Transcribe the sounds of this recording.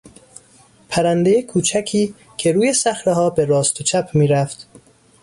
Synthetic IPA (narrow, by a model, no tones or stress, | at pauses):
pʰæɾænd̪ejekʰuːt͡ʃʰæcʰiː | cʰe̞ɾuːje̞sæxɾeɦɒːbe̞ɾɒːst̪ʰot͡ʃʰæpʰmiːɾæft̪